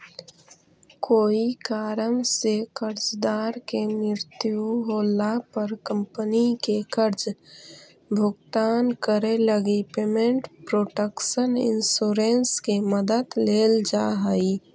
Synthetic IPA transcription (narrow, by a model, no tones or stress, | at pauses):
koːikaːɾənsekəɾt͡ʃd̪aːɾkenɪɾt̪juɦoːlapəɾkə̃mpənikekəɾd͡ʒ | bʱʊɡt̪aːnkəɾeləɡipeːmẽɳʈpɾoːʈəkʃənɪ̰nsuɾenskeməd̪əd̪leːld͡ʒaɦəi